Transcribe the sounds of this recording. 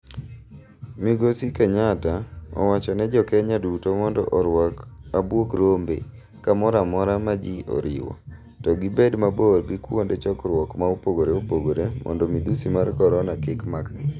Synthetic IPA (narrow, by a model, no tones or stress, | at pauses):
miɡosikɛɲataɔ̰wat͡ʃɔnɛd͡ʒɔkɛɲadutomɔndɔ̰ʔ | abwokɾombḛ | kamɔɾamɔɾamad͡ʒiʔɔ̰ɾɪ̰wɔ̰ | tɔɡibedmaborɡɪkwondet͡ʃɔkɾwɔkmaopoɡoɾeopoɡoɾemʔɔ̰ndɔmid̪usimarkɔɾɔnakɪkmakɡɪ